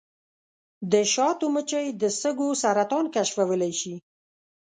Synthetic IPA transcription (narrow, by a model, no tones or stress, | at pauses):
d̪əʃɑt̪omət͡ʃəjd̪əsəɡosaɾat̪ɑnkaʃfawəlajʃi